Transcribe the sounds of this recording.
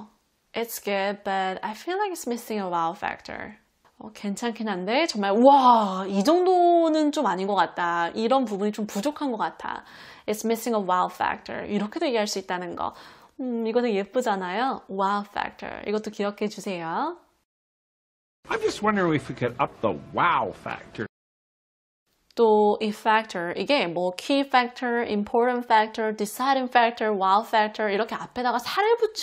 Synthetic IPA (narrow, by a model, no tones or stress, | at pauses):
ʔɪtsɡ̥ʊd̚b̥ʌɾa̰jfilːajkɪtsmɪsɪ̃ŋəwalfæ̰k̚tʰə̰˞ | ʌ̰ke̞nt͡ɕʰankʰenɦande̞t͡ɕʌŋmaɭwaid͡ʑʌŋdonɯnt͡ɕomaɲinɡʌk͈at̚t͈ʰaiɾʌnp̬ubuɲit͡ɕompud͡ʑokʰanɡʌk͈at̚tʰa̰ | ɪtsmɪsɪŋəwalfæ̰k̚tʰə̰˞iɾʌkʰe̞dojeɡeɦaɭs͈uit̚t͈anɯnɡʌ̰ | iɡʌtʰejep͈ud͡ʑanajowalfæ̰k̚tʰə̰˞ḭɡʌt͈okiʌkʰe̞d͡ʑusʰe̞jo | ʔãɪ̃md͡ʒʌst̚wʌ̃ndə˞ɪ̃ŋɨfikɨɾʌp̚ðə̰waɪlˠfæ̰k̚tʰə̰˞ | t͈oifɛk̚tʰə˞iɡe̞mwʌkʰifɛk̚tʰəɹimpʰoɹɾəntfɛk̚tʰʌ˞disajɾɯnfɛk̚tʰʌɹwalfɛk̚tʰʌ˞iɾʌkʰe̞apʰe̞daɡasʰaɾiɭbut͡ɕ͈ʰ